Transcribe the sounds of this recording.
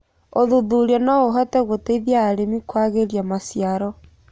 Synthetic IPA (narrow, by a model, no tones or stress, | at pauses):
oðuðuɾiɔnaoɦɔtɛɣoteiðjaːɾemikwaɣeɾjamasjaɾɔ